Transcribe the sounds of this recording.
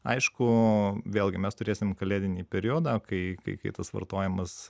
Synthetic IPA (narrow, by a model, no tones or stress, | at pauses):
ɐ̰ɪʃkʊʋʲeːlˠʲɡʲɪmʲɛst̪ʊɾʲeːsʲɪmkɐlʲeːd̪ʲɪnʲiːpʲɛɾʲijoːd̪ɐːkɐɪkɐ̰ɪkɐɪt̪ɐsʋɐ̰rt̪oːjɛmɐs